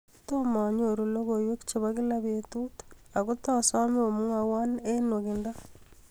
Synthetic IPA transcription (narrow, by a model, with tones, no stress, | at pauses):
toma˨ɲo˨ɾulo˦ɣojwe˦kt͡ʃe˨βakɪ˦laβetu˦ta˨kutasa˦me˦o˨mu˦ŋawa˦ne˦no˨kinda˦